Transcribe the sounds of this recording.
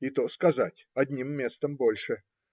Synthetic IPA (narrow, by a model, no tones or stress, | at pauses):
ɪt̪oskɐzatʲɐd̪ʲnʲimːʲe̞st̪əmbolʲʂɨ